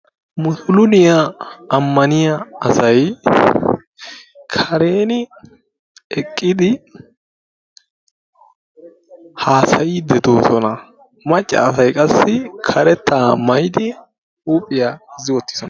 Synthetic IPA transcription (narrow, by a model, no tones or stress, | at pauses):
mʊsʊlʊnɪjɐːmːɐnɪjɐɐsɐj | kʰɐɾe̞ːnɪ | ɛkʼːɪd̪ɪ | haːsɐjɪd̪ɛt̪o̞ːsɔnɐ | mɐt͡ʃʼːɐ̰ːsɐjkʼɐsːɪkʰɐɾɛt̪ʰːaːmɐjd̪ɪ | uːpʼːɪjazɪwɔt̪ːɪ̥sɔn